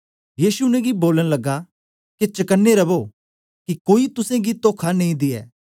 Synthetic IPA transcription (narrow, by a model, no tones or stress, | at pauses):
jiːsuʊnɛ̃ɡiboːləñlɐɡːa | ket͡ʃɐkənːeɾɐboː | kikoːit̪ʊsẽɡit̪oːkʰanɐĩd̪ɪɛ̰ː